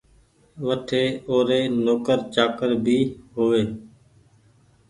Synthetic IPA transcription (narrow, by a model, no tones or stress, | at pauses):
ʋəʈʰeːoːɾeːnoːkəɾt͡ʃaːkəɾbʱiːɦoːʋeː